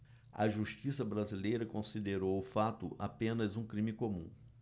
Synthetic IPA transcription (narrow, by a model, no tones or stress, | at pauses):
ɐ̰ʒuʃt͡ʃisɐbɾazilejɾɐkõsid̪eɾowʊfat̪ʊʔa̰pẽnɐzũkɾĩmikomṵ̃